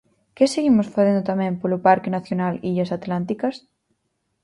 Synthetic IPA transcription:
keseɣimosfaθend̪ot̪amɛ̃mpolopaɾkenaθjonaliʎasat̪lant̪̬ikas

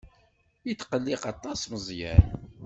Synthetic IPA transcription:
jət̪ːqəlːɪqɑt̪ˤːɑsməzˤjæ̰ɾ

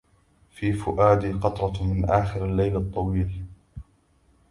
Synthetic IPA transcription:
fiːfʊʔaːd̪iqɑt̪ɾˤɑmɪnʔaːxɪɾalːajlɑt̪ˤːɑwiːl

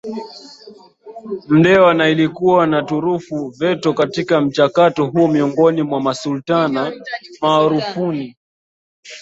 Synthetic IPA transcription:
m̩dɛwanailikuwanatuɾufuvɛtɔkatikam̩t͡ʃakatɔɦuɔmiɔŋɡɔnimwamasultanamaːɾufuni

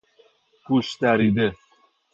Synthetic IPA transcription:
kuʃt̪æɾid̪e

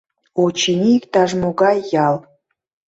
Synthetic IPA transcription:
ot͡ɕinʲikt̪ɑʒmoɣɑjːɑl

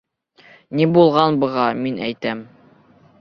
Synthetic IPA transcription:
nibulˠʁɑnbɤ̆ʁɑminʔæ̰jt̪æm

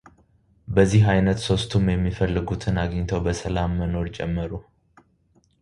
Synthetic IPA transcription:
bəzːiɦajnət̪so̞st̪ʰumjɛmːifəlːɨɡut̪ʰɨnaɡɲt̪ʰəwbəsəlamːəno̞ɾt͡ʃʼɛ̰mːəɾu

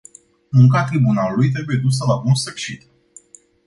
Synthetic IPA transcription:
muŋkat̪ɾibunalulujt̪̬ɾe̞buje̞d̪us̬əlabunsəkʃit̪

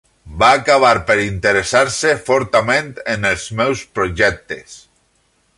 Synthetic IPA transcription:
baːkaβ̞aɾpeɾint̪eɾesaɾsefɔɾt̪amẽnt̪enelˠzmɛwspɾoʒɛk̚t̪es

